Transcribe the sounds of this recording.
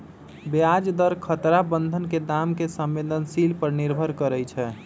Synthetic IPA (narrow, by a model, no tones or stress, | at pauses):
bead͡ʒd̪əɾkʰət̪ɾabənd̪ʱənked̪amkesəmːed̪ənsilpəɾniɾbʱəɾkəɾɛjt͡ʃʰɛ